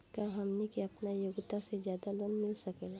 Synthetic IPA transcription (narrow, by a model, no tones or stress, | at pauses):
kaɦɐmnikiɐpnajoːɡt̪asezjaːd̪aloːnmɪlsɐkeːla